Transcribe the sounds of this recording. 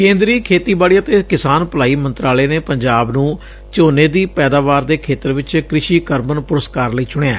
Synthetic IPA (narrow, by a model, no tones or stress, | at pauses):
kẽːnd̪ɾiːkʰeːt̪iːbaːɽiːət̪eːkɪsaːnpəlaːiːmənt̪ɾaːleːneːpəɲd͡ʒaːbnũː | t͡ʃoːneːd̪iːpɛːd̪aːʋaːɾd̪eːkʰeːt̪əɾʋɪt͡ʃkɾɪʃiːkəɾmənpʊɾəskaːɾləiːt͡ʃʊɽ̃eːa̰ː